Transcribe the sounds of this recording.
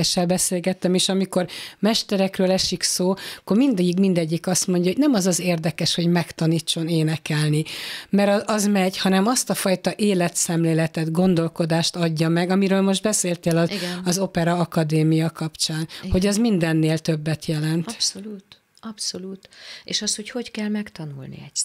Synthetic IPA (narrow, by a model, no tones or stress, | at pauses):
ɛʃːɛlbɛseːlɡɛt̪ːɛmeːʃɒmiko̞rmɛʃt̪ɛɾɛkrøːlɛʃiksoːkːormind̪ɛɟːikmind̪ɛɟːikɒst̪mo̞ɲɟɒɦonɛmɒzɒzeːrd̪ɛkɛʃho̞ɟmɛkt̪ɒniːt͡ʃːo̞neːnɛkɛlnimɛɾɒɒzmɛɟhɒnɛmɒst̪ɒfɒjt̪ɒʔeːlɛt̪sɛmleːlɛt̪ɛd̪ɡo̞nd̪o̞lko̞d̪aːʃt̪ɒɟːɒmɛɡɒmiɾøːlmo̞ʒd̪̚bɛseːlt̪eːlɒɒzo̞pɛɾɒɒkɒd̪eːmijɒkɒpt͡ʃaːnho̞ɟɛzmind̪ɛnːeːlt̪ø̞bːɛt̪jɛlɛnt̪ut̪ | ɒpsoluːt̪eːʃɒst̪ho̞cho̞ckɛlmɛkt̪ɒnṵlnḭɛ